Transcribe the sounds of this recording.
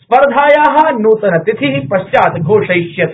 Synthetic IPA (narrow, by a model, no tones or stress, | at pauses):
spɐɾd̪ʱaːjaːɦɐ̆nuːt̪ɐnɐt̪it̪ʰiɦipɐʃt͡ʃaːt̪ɡʱoːʂɐjʃjɐt̪